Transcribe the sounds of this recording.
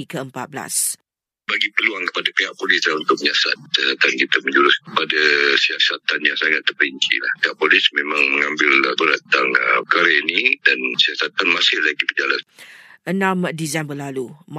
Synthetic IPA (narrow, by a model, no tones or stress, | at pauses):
ikəəmpat̪̚bla̰s | baɡipərluaŋkə̥padapeɦaʔ̚polɪslaunt̪ʊk̚məɲasa̰t̪̚at̪ankit̪aməɲd͡ʒuɾʊskəpadasiasat̪anjaŋsaŋat̪ːərpbəiɲt͡ʃḭlahpeɦaʔpolɪsmemãŋməŋambɪlbəɾat̪t̪aŋəkaɾenĩdansiasat̪anmasɪllaɡibəd͡ʒalan | ʔənãmdizɛmbəlalum